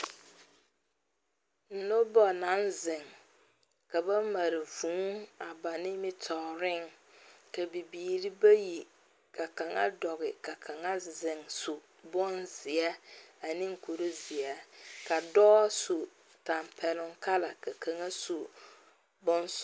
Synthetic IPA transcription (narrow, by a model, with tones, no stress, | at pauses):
n̩˨no˦bɔ˨na˨˦nzɪ˨ŋ | ka˨ba˦ma˨ɾɪ˨vũ˨˦a˨ba˨nɪ̃˦mɪ˦tʰɔ˨ʊ˨ɾɪ˦ŋ | ka˨bi˨biː˨ɾi˦ba˦ji˨ | kʰa˨ka˨ŋa̰˦dɔ˨ɣɪ˨ka˨kʰa˨ŋa˦zɪ˨ŋsu˨ | bɔ˦nzɪ˨ɛ˦a˨nĩ˦ŋ˦kʰo˨ɾo˦zɪ˨ɛ˦ka˨dɔː˦su˨ | ta˨mpʰɛ˨lʊ˦ŋkʰa˦la˨ka˨kʰa˨ŋa˦su˨ | bɔ˦n˦s